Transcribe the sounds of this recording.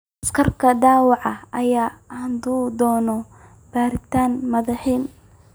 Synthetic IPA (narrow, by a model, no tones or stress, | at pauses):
ʔɐskʰɐrkʰɐd̪aːwɑʕɑɐjaːnd̪uːd̪ɔːnɔ | b̥aːɾɪt̪ʰaːnmɐðɐħiːn